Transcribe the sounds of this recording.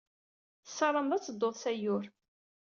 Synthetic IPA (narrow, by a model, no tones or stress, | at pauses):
θə̥sɑɾˤəmðˤæt͡sːəd̪ːoðˤsæjʊɾ